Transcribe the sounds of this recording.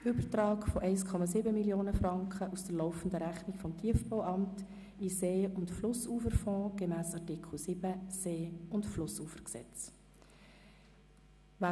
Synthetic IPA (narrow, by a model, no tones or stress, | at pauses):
ʔʏbəɾtɾɑːkfɔʔɛɪskʰɔmɑsɪbəmiljoːnəfɾɑŋkχəʔusd̥əɾlɔʊfəndəɾæχnikfɔmtʰiːəfbɔʊʔɑmt | iseːʊntflʊsuːfəɾfɔ̃ːɡ̥ɛmæːsɑtɪkl̩ˠsɪb̥əseːʊntflʊsuːfəɾksɛ̰t͡s | va